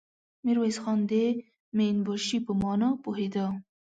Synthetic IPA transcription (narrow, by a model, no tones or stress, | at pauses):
miɾwesxɑnd̪e | menbɔʃipəmɑːnɑpoɦed̪ɑ